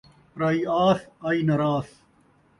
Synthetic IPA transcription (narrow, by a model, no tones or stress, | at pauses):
ɾɐiaːsɐinɐɾaːs